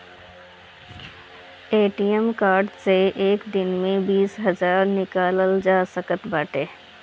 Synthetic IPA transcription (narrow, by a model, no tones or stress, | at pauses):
eːʈijəmkaːɾɖseʔeːkd̪ɪnmẽbiːsɦɐzaːɾnɪkaːləld͡ʒaːsəkət̪baːʈeː